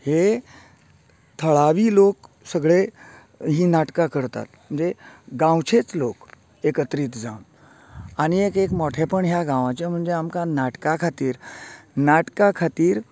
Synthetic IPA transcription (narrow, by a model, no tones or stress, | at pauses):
he | t̪ʰəɭaʋiːlok | səɡɭe | ɦiːnaʈkakəɾt̪a̰t̪m̤əɳd͡zeɡãwt͡ɕʰet͡slok | ekət̪ɾiːt̪d͡zʱã̰wn | añiekekmɔʈʰepəɳɦjaɡãʋãt͡ɕem̤əɳd͡zeamkanaʈkakʰat̪iːɾnaʈkakʰat̪iːɾ